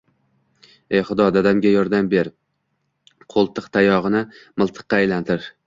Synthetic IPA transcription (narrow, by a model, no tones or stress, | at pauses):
ejχʊd̪ɒd̪ad̪amɡʲajɒɾd̪ambe̞ɾ | qʰolˠt̪ʰɨqt̪ʰajɒʁɨnɪmɨlˠt̪ʰɨ̥qːɑːjlant̪ʰɪɾ